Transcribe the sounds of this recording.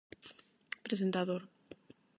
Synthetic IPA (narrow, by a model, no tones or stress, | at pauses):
pɾesent̪aðoɾ